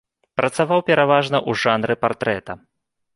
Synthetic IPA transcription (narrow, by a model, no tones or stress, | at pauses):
pɾɐt̪savawpʲɛɾavaʐnɐʔuʐanɾɨpart̪ɾɛt̪ɐ